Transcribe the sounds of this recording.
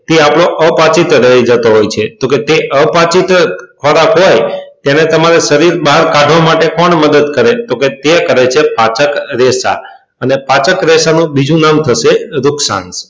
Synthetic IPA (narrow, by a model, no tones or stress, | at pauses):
t̪eapɽoʔəpat͡ʃit̪ɾəid͡ʒət̪oɦojt͡ʃʰet̪oket̪eʔəpat͡ʃit̪kʰɔɾakɦojt̪janet̪əmaɾeʃəɾiɾbaɦəɾkaɖʱʋamaʈekɔɳməd̪əd̪kəɾet̪oket̪ekəɾet͡ʃʰepat͡ʃəkɾesa̰ | ənepat͡ʃəkɾesanũbid͡ʒũnamt̪ʰəʃeɾʊksã̰ns